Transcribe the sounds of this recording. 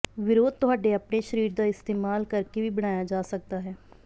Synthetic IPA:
ʋɪɾoːd̪̚t̪ʊɦaːɖeːaːpneːʃəɾiːɾd̪aːɪst̪eːmaːlkəɾkeːʋiːbəɽ̃aːjaːd͡ʒaːsək̚d̪aːɦɛː

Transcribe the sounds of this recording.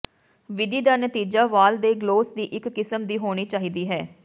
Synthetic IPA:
ʋɪd̪iːd̪aːnət̪iːd͡ʒaːʋaːld̪eːɡloːsd̪iːʔɪkːɪsəmd̪iːɦoːɽ̃iːt͡ʃaːɦiːd̪iːɦɛː

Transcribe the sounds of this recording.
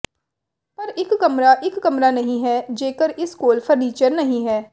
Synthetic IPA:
pɐɾɪkːɐmɾaʔɪkːɐmɾanɐɦĩɦɛːd͡ʒeːkəɾɪskoːlfʰəɾniːt͡ʃəɾnɐɦĩɦɛː

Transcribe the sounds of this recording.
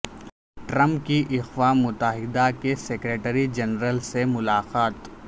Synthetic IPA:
ʈɾə̃mpkiʔɪxwamʊt̪əɦɪd̪akesekɾeːʈəɾid͡ʒɐnɾəlsemʊlaːqaːt̪

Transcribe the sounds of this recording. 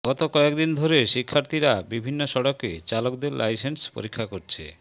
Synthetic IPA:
ɡ̥ɔt̪okɔekd̪ind̪ʱoɾeʃikʰːaɾt̪ʰiɾabibʱinːoʃɔɽoket͡ɕalokd̪eɾlʔa̰jsenspo̰ɾikʰːakoɾt͡ɕʰḛ

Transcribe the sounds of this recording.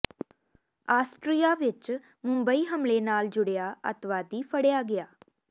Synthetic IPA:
aːsʈɾiːaːʋɪt͡ʃ | mʊ̃mbəiːɦəmleːnaːld͡ʒʊɽejaːə̰t̪ʋaːd̪iːpʰəɽejaːɡɪjaː

